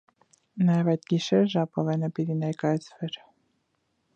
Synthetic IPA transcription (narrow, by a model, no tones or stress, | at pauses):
nɑjɛvɑjd̪ɡiʃɛɾʒɑpɔvɛnəpit̪inɛɾkɑjɑt͡sʰvɛɾ